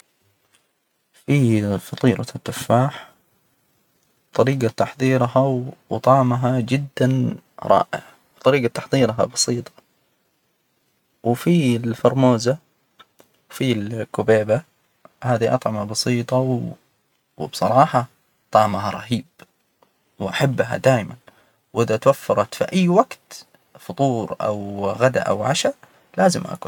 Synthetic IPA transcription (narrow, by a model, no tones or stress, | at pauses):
fifɑt̪ˤiːɾɑt̪ːɪfːaːħ | t̪ˤɑɾiːɡat̪ɑħðˤiːɾɦawt̪ˤɑʕmaɦad͡ʒɪd̪ːanɾˤɑ̰ːʔɪ̰ʕ | b̥t̪ˤɑɾiːɡat̪ːɑħðˤiːɾɦa̰bɑsiːt̪ˤɑ̥ | wɪfilfɑɾˤmoːza | wfilkʊbeːba | haːðiʔɑ̰t̪ˤʕɪmabɑsˤiːt̪ˤɑw | wbsˤɑɾˤɑːħɑ | t̪ˤɑʕmaɦaɾˤɑhiːb | wʔaħabːɦa̰d̪aːjman | wʔɪðat̪wafːɑɾˤɑt̪fḭʔajːwaɡt̪ | fʊt̪ˤuːɾʔa̰wɣad̪a̰ʔa̰wʕaʃa | laːzɪmʔa̰kʊ